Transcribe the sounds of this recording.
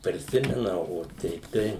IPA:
pʲrʲɪˈsʲɪmʲɛnɐ oː ˈtʲɛɪp tɐɪ

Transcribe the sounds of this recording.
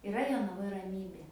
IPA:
ɪˈrɐ joːnɐˈʋoːj rɐˈmʲiːbʲeː

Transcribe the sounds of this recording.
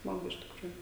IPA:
ˈsmɑːɡʊ ɪʃ tʲɪkˈruːjʊ

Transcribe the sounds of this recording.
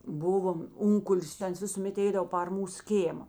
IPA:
ˈbʊʋoːm ˈʊŋkʊlʲɪs tɐ ˈɐns ʋʲɪsʊˈmʲeːt ˈɛɪdɐʋoː pɐr ˈmuːs ˈkʲeːmɐ

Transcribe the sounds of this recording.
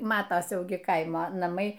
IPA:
ˈmɑːtɐs ˈjɛʊ ɡʲɪ ˈkɐɪmoː nɐˈmɐɪ

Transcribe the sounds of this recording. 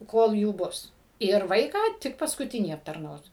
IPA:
ˈkoːlˠ ˈjuː ˈbʊs ɪr ˈʋɐɪkɑː ˈtʲɪk pɐskʊˈtʲɪnʲiː ɐptɐrˈnɐʊs

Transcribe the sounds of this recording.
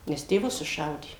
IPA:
ˈnʲɛs tʲeːˈʋʊs sʊˈʃɐʊdʲeː

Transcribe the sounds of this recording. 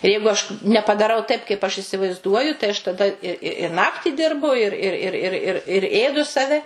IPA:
ɪ ˈjɛɪɡʊ ɐʃ nʲɛpɐdɐˈrɐʊ tɐɪp kɐɪp ɐʃ ɪsʲɪʋɐɪzˈduɔjʊ tɐɪ ɐʃ tɐˈdɐ ɪ ɪ ɪ nɐktʲɪ ˈdʲɪrbʊ ɪr ɪr ɪr ɪr ɪr ɪr ˈeːdʊ sɐˈʋʲɛ

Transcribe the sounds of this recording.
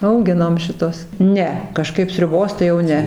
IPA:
ɐʊˈɡʲɪnoːm ʃʲɪˈtuɔs ˈnʲɛ kɐˈʃkɐɪp sʲrʲʊˈboːs tɐɪ jɛʊ ˈnʲɛ

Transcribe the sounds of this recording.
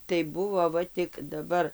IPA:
tɐɪ ˈbʊʋoː ˈʋɐ tʲɪk dɐˈbɐr

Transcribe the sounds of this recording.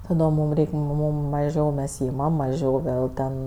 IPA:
tɐˈdoːm ˈmuːm ˈrʲɛɪkʲ ˈmuːm mɐʒʲɛʊ mʲɛs ˈɪmɐm mɐˈʒʲɛʊ ˈʋʲeːlˠ tʲɛn

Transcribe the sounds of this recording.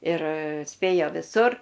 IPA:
ɪr ˈsʲpʲeːjoː ʋʲɪˈsʊr

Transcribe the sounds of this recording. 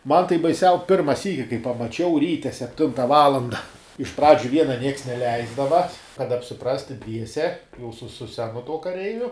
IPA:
ˈmɐn tɐɪ bɐɪˈsʲɛʊ ˈpʲɪrmɐ ˈsʲiːkʲɪ kɐɪ pɐmɐˈt͡ʃʲɛʊ ˈrʲiːtʲɛ sʲɛpʲˈtʲɪntɐ ˈʋɑːlˠɐndɐ ɪʃ ˈprɑːd͡ʒʲʊ ˈʋʲiɛnɐ ˈnʲiɛks nʲɛˈlʲɛɪzdɐʋɐ kɐt ɐpʲsʲɪˈprɑːsʲtʲɪ ˈdʲʋʲiɛsʲɛ jɛʊ sʊ sʊ ˈsʲæːnʊ tuɔ kɐˈrʲɛɪʋʲʊ

